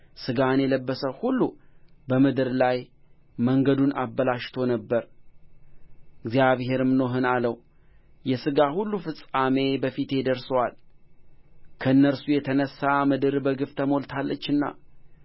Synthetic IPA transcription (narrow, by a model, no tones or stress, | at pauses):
sɨɡanjɛləbːəsəhulːubəmɨd̪ɨɾlaj | məŋɡəd̪una̰bːəlaʃt̪ʰo̞nəbːəɾ | ɨɡzijaβhe̞ɾɨmno̞ɦɨnaləw | jɛsɨɡahulːufɨsʼame̞bəfit̪ʰe̞d̪əɾsəwal | kʰəɨnːəɾsujɛt̪ʰənəsːamɨd̪ɨɾbəɡɨft̪ʰəmo̞lt̪ʰalːət͡ʃːɨnːa̰